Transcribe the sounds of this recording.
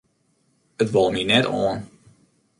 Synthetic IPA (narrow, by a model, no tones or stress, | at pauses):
ətʋɔlˠminɛtɔ̰ːn